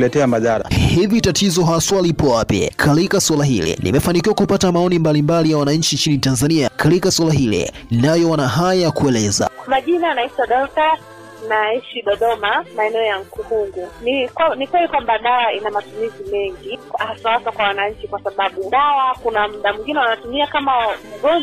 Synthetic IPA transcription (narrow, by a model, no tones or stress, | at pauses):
lɛtɛamaðaɾa̰hivitatizɔɦaswalipɔwapjɛ̰kʰalikaswalaɦḭlɛ̰nʔḭmɛfanik̬iwakupatamaɔnimbalimbalijawanaɲ̩t͡ʃint͡ʃinitanzaniakatikaswalaɦilɛ̰najɔwanaɦajaakuɛlɛza̰kwamaʄinanaitaɗɔta | naiʃiɗɔɗɔmamaɛnɛɔjaŋ̩kuhuŋɡunikwanikwɛlikwambaɗawainamatumizimɛŋɡiahaswaaswakwawanaɲ̩t͡ʃikwasaɓaɓuɗawakunam̩ɗamiŋɡinɛwanatumiakamauɡɔn